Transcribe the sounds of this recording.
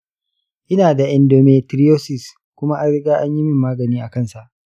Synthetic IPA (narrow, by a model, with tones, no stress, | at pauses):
ʔɪ˦naː˨da˨ʔɛ˨ndoː˨meː˨tɾi˦joː˦sɪ˨s | kʷʊ˦ma˦ʔa˦nɽɪ˦ɡaː˦ʔa˦ɲji˦mɪ˦mːaː˦ɡɐ˨niː˦ʔa˨kɐ˦˨nsa˨ʔ